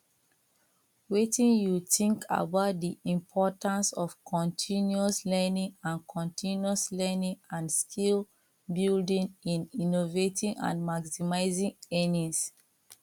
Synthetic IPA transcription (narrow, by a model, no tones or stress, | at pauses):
wetĩnjutĩŋkʰa̰baʊt̚diĩmpʰɔtãnsɔfkʰɔ̃ntʰĩnjuɔslɛnĩŋãnkʰɔ̃ntʰĩnuɔslɛnĩŋãnskʰil | bildĩŋĩninovetʰĩŋã̰nmaksimaɪzĩŋenĩs